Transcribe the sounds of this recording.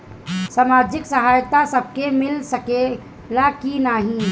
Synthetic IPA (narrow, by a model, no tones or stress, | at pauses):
samad͡ʒɪksəɦajt̪asəb̚ʱkemɪlsəke | lakinaːɦĩ